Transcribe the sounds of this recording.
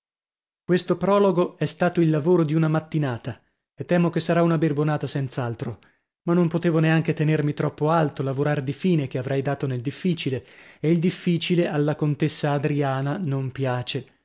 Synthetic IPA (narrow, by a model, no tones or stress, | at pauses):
kwest̪opɾɔːloɡoɛst̪aːt̪oilːavoːɾod̪iunamat̪ːinaːt̪a | et̪ːɛːmok̟esːaɾaunaberbonaːt̪asɛnt̪salt̪ɾo | manːompot̪eːvoneaŋk̟et̪enermit̪ɾɔpːoalt̪olavoɾard̪ifiːnek̟eavɾʔɛjd̪aːt̪oneld̪ifːiːt͡ʃileeild̪ifːiːt͡ʃilealːakont̪esːaːd̪ɾiaːnanompjaːt͡ʃe